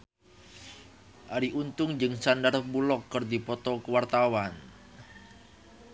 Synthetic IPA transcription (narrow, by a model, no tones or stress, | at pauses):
ʔaɾiʔunt̪ʊŋd͡ʒɨŋsandarbulɔkːərd̪ipɔt̪ɔkəwart̪awan